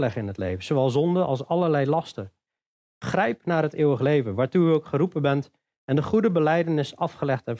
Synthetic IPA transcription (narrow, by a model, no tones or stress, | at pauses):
lɛχɪnɦətlḛjvəzowʋɛlˠzɔndəʔɑ̰lˠsɑləɹlɛjlɑstə | χrɛjpnaːɹɾɦətɪːəwəχlejvənʋaːɹtuyowkχəɾupəbɛnt | ɛndəχudəbəlɛjdənɪsɑfχəlɛχtɛp